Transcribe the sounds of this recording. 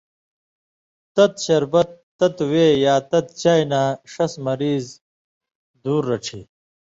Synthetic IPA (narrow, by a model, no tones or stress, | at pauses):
t̪ɐt̪ɕɐɾbɐt̪ːɐt̪weːjaːt̪ɐt̪t͡ɕaːjnaːʂɐsmɐɾiːz | d̪uːɾːɐʈ͡ʂʰḭ